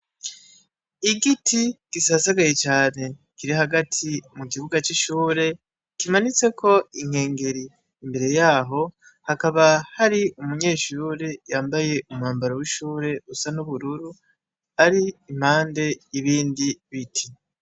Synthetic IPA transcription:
iɡitʰiɡ̥isasaɡaje̞t͡ʃaːne̞kiɾiɦaɡatʰimukiβuɡat͡ʃiʃuːɾe̞ | kimanit͡se̞kʰo̞iŋ̥he̞ːŋɡe̞ɾiː | mbe̞ɾe̞jaːɦo̞ | hakaβahaɾiumuɲe̞ːʃuːɾejaːmbaje̞ʔumŋaːmbaɾowiʃuːɾe̞usanuβuɾuɾu | aɾiːm̥haːnde̞iβiːndiβitʰi

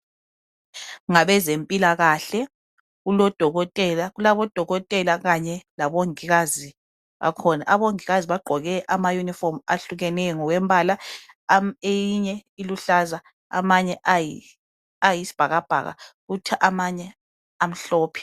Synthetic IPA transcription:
ŋaβɛzempʼilaɣaɬɛ | ɣulɔd̥ʱɔɣɔtʼɛlaɣulaβɔd̥ʱɔɣɔtʼɛlaɣaɲɛlaβoŋiɣazi | βa̰kʰɔna̰ʔaβoŋiɣaziβaɡ͡ǃʱɔɣɛʔamajunifɔmaɬuɣɛnɛjɔŋɔwɛmbʱala | ejiɲɛiluɬaza | a̰maɲɛʔaji | ajisi̥b̥ʱaɣab̥ʱa̰ɣa̰ɣutʰɛʔamaɲɛ | am̩ɬɔːpʰi̥

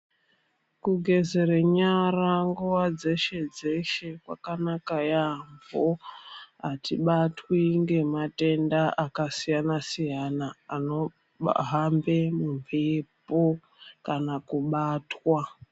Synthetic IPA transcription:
kuɡʱe̞zeɾeɲaraŋɡuwad͡ze̞ʃe̞d͡ze̞ʃe̞kwa̰kanakajambo | atʰiɓatwiŋɡe̞mate̞ndaʔakasijanasijanaːno̞̰ | ɦambemuɱvepo | kanakuɓaːtwa

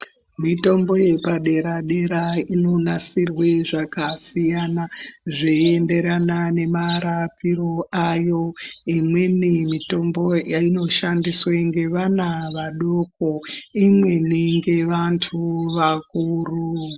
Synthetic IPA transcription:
mito̞mbo̞je̞paɗe̞ɾaɗe̞ɾaino̞nasirwe̞ʐakasijanaʐeende̞ɾanane̞maɾapiɾo̞ajo̞imwe̞nimito̞mbo̞jaino̞ʃandisweŋɡe̞ʋanaʋaɗokoimwe̞niŋɡe̞ʋantʰuʋakuru

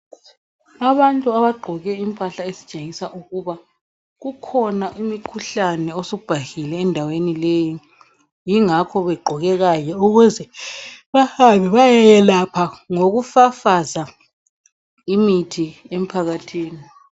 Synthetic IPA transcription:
aβantʼuaβaɡ͡ǃʱɔɣɛimpʼaɬaesi̥t͡ʃʼeŋisaʔuɣuβa | ɣukʰɔnaʔimikʰuɬanɛosoub̥ʱahilɛːndʱawenileji | jiŋakʰɔβɛɡ͡ǃʱɔɣɛɣajɛuɣuzɛβahaβɛβajajɛlapʰaŋoɣufafaza | imitʰiem̩pʰaɣatʰiːni

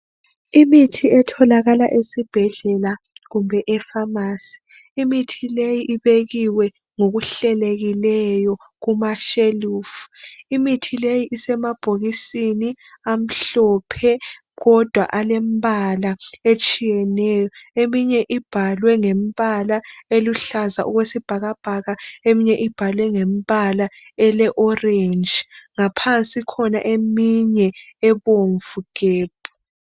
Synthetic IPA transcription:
imitʰiɛtʰɔlaɣala̰ʔesib̥ʱɛɮɛla | ɣumbʱɛʔɛfamaːsi̥ː | mitʰilejiʔiβeɣiwɛ | ŋoɣuɬɛleɣilɛjɔ | ɣumaʃeluːfu̥imitʰilejiʔisɛmab̥ʱoɣisini | am̩ɬɔpʰɛ | ɣɔd̥ʱwa̰ʔalɛmbalaet͡ʃʼijɛnɛːjɔemiɲɛʔib̥ʱalwɛŋembʼalaeluɬazaʔuɣwesib̥ʱaɣab̥ʱaɣaemiɲɛʔib̥ʱalwɛŋem̩balaɛlɛʔɔrend͡ʒŋapʰant͡sʼikʰɔna̰ʔemiɲɛɛβoɱvuɣ̥eːb̥̚ʱu

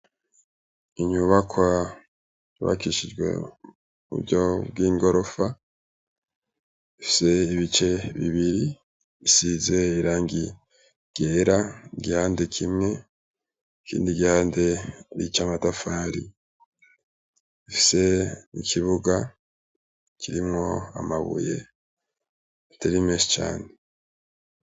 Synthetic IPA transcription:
iɲuβakʰwa | uβa̰kiʃid͡ʒɡwe̞̰ | uṵɾɟobɡiːŋɡo̞ɾo̞fa | ifi̥se̞iβit͡ʃe̞βḭβiɾi | isize̞iɾaːŋɡi | ɡ̥eɾaiɡihaːndekʰimŋe̞ | kʰḭːndiɡihaːnde̞ɾit͡ʃamatafaːɾḭ | ifi̥se̞nḭkʰiβuɡa | kʰiɾimŋo̞a̰maβṵje̞̰ | taɾimeːso̥t͡ʃa̰ːne

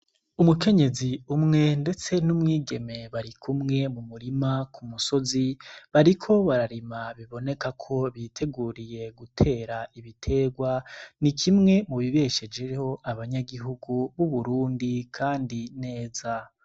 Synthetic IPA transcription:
umuke̞ɲe̞ziumŋe̞nde̞t͡se̞numŋiːɡe̞me̞βaɾikʰumŋe̞mumuɾimakʰumuso̞ziβaɾikʰo̞βaɾaɾimaβiβo̞ne̞kakʰo̞βitʰe̞ɡuɾije̞ɡutʰe̞ːɾaiβitʰe̞ːɡwanikʰimŋe̞muβiβe̞ʃe̞d͡ʒe̞ɾho̞ʔaβaɲaɡiɦuɡuβuβuɾuːndikʰaːndine̞ːza

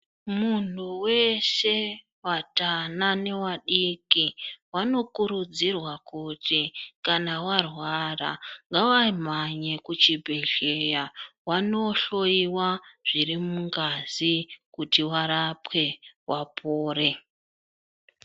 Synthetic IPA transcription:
mun̤uwe̞ʃe̞ | watanane̞waɗikiwano̞kuɾud͡zirwakutikanawarwara̰ŋɡawam̤aɲe̞kut͡ʃibʱe̞ɮejawano̞ɬo̞iwaʐ̥irimuŋɡazikutiwaɾapwe̞wʔapʰoːɾe̞

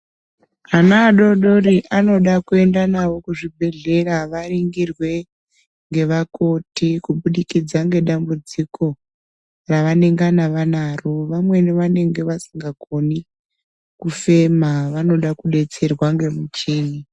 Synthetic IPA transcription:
anaːɗo̞ɗo̞ɾiʔano̞ɗakue̞ndanawo̞kuʐibʱe̞ɮe̞raʋariŋɡirwe̞ | ŋɡe̞ʋakotikuɓuɗikid͡zaŋɡe̞ɗambud͡zikʰo̞ | raʋane̞ŋɡanaʋanaroʋamwe̞niʋane̞ŋɡe̞ʋasiŋɡaɡʱo̞ni | kufe̞maʋano̞ɗakuɗe̞t͡se̞rwaŋɡemut͡ʃiːni

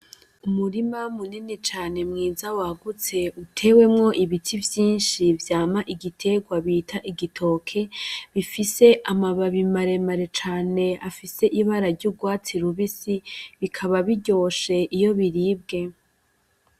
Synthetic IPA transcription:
umuɾimamuninit͡ʃaːne̞mŋiːzawaɡut͡se̞utʰe̞ːwe̞mŋo̞ʔiβitʰivjiːnʃivjaːmaʔiɡitʰe̞ɡwaβitʰaʔiɡitʰo̞ːkʰe̞βifise̞ʔamaβaβimaɾe̞maɾe̞t͡ʃaːne̞afise̞ʔiβaɾaɾɟuɡwaːt͡siɾuβisiβikʰaβaβiɟo̞ːʃe̞ʔijo̞βiɾiːb̚ɡe̞

